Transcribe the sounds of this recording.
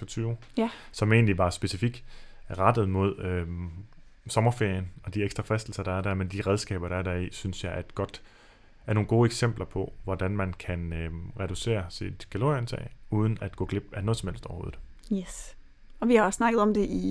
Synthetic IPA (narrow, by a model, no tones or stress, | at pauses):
fɒt͡sʰyːʊ | sɒ̽me̝̰ːnliʋɑ̈sb̥e̝sifiɡ̥ʁɑ̈d̥ð̞̩ˠmo̝ð̞̰ˠø | sɒ̽mɐfe̝ɐ̰jənɒ̽d̥ieɡ̥sd̥ʁɐfʁɛsd̥l̩sɐɾ̥ɑ̈æɐdæɐmend̥iʁɛð̞ˠsɡ̥ɛ̰ːb̥ɐɾ̥ɑ̈æɐdæɐisynsjɑ̈ɪʔæd̥ɡ̥ɒ̽d̥ | æɐno̝ːnɡ̥o̝ːeɡ̥sem̰b̥lɐpʰɒ̽ʋɒd̥ænmænkʰænøʁɛɾ̥use̝̰ːɐsid̥kʰæloent͡sʰɛ̰ːuːð̞ˠən̩æd̥ɡ̥ɔ̰̽ːɡ̥le̝b̥ænɔ̽ːð̩ˠsɒ̽mhel̰sd̥ɒʊɐho̝ːð̩ˠ | es | ɒ̽ʋihɑ̈snɑ̈ɡ̥ð̞̩ˠɒ̽md̥e̝ʔi